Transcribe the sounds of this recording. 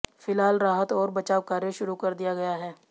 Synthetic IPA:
fɪlaːlɾaːɦət̪ɔːɾbɐt͡ʃaːʋkaːɾjəʃʊɾukɐɾd̪ijaɡɐjaɦɛː

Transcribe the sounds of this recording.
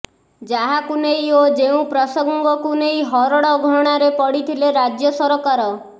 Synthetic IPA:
d͡ʒaɦakunejod͡ʒeũpɾɔsɔŋɡɔŋɡɔkunejɦɔɾɔɽɔɡʱɔɽ̃aɾepɔɽit̪ʰileɾad͡ʒjɔsɔɾɔkaɾɔ

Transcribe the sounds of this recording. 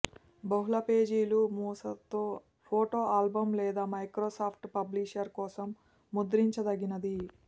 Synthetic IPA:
bɐɦulɐpe̞ːd͡ʒiːlumuːsɐt̪oː | pʰoːʈoːaːlbɐmlɛːd̪aːmɐjkɾoːsaːpʰʈpɐbliʃɐɾkɔːsɐmː | ud̪ɾiɲt͡ʃɐd̪ɐɡinɐd̪i

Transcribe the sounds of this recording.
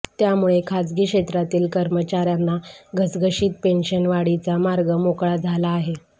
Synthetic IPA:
t̪jamuɭekʰad͡zɡiːkɕet̪ɾat̪iːlkəɾmət͡ɕaɾjanːaɡʱəsɡʱəɕiːt̪̚penɕənʋaɽit͡samaɾɡəmokɭad͡zʱalaːɦe

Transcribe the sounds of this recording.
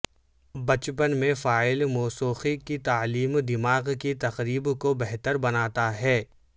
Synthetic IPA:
bɐt͡ʃpənmẽfaːɪlmɔːsuːxikit̪aːliːmd̪ɪmaːɣkit̪ɐqɾiːbkobɛɦt̪əɾbɐnaːt̪aɦɛː

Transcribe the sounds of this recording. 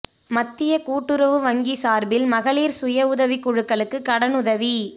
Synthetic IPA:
mɐt̪ːɪjɐkuːʈːɯɾɐʋɯʋɐŋɡisaːɾbɪlmɐɣɐɭiːɾsʊjɐʊðɐʋikːʊɻɯkːɐɭɯkːɯkɐɽɐnʊðɐʋi

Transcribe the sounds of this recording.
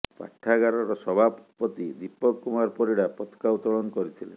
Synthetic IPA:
pa̰ʈʰːaɡaɾɔɾɔsɔbʱappɔt̪id̪ipɔkːumaɾpɔɾiɽapɔt̪ʰkaut̪ɔɭɔnɔkɔɾit̪ʰilḛn

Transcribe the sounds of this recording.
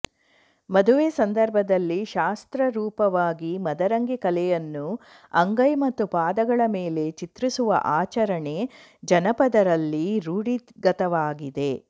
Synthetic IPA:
mɐd̪uʋeːsɐnd̪ɐɾbʱɐd̪ɐlːiʃaːst̪ɾɐɾuːpɐʋaːɡimɐd̪ɐɾɐŋɡikɐlɛjɐnːu | ɐŋɡɐjmɐt̪ːupaːd̪ɐɡɐɭɐmeːle̞t͡ʃit̪ɾisuʋɐ̰ʔaːt͡ʃɐɾɐɳe̞ | d͡ʒɐnɐpɐd̪ɐɾɐlːiɾuːɽiɡɐt̪ɐʋaːɡid̪e

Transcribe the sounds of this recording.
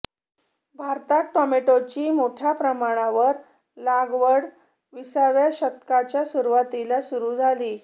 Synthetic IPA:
bʱaɾt̪aʈɔmeʈot͡ɕiːmoʈʰjapɾəmaɽ̃aʋəɾ | laɡʋəɽ | ʋisaʋjaɕək̚t̪kat͡ɕjasuɾuʋat̪ilasuɾuːd͡zʱaliː

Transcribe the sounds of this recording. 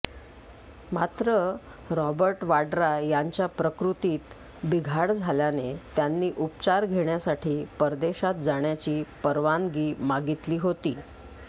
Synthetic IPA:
mat̪ɾə | ɾɔbəɾʈʋaɖɾajaɲt͡ɕjapɾəkɾut̪iːt̪ | biɡʱaɽd͡zʱaljanet̪janːiːʔupt͡ɕaɾɡʱeɳjasaʈʰiːpəɾd̪eɕat̪̚d͡zaɳjat͡ɕiːpəɾʋanɡiːmaɡit̪liːɦot̪iː

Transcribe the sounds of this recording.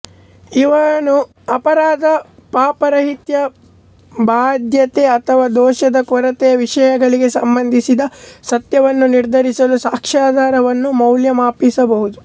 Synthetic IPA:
iʋɐnu | ɐpɐɾaːd̪ɐpaːpɐɾɐɦit̪jɐ | baːd̪jɐt̪eɐt̪ʰɐʋaːd̪ɔːʃɐd̪ɐkʋɐɾɐt̪ɛjɐʋiʂɐjɐɡɐɭiɡe̞sɐmbɐnd̪ʱisid̪ɐsɐt̪jɐʋɐnːuniɾd̪ʱɐɾisɐlusaːkʂaːd̪ʱaːɾɐʋɐnːumɐwljɐmaːpisɐbɐɦud̪u

